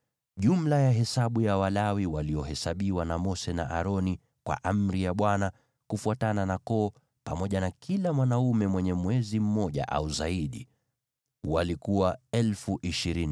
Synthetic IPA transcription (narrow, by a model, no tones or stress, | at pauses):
ʄum̩lajaɦɛsaɓujawalawiwaliɔɦɛsaɓiwanamɔsɛna̰ʔa̰ɾɔni | kwa̰ʔam̩ɾijaɓwana | kufuatananakɔː | pamɔʄanakʰilamwanaumɛmwɛɲɛmwɛzim̩mɔʄa̰ʔa̰uzaiɗḭ | walikuwaɛlfuʔiʃiɾini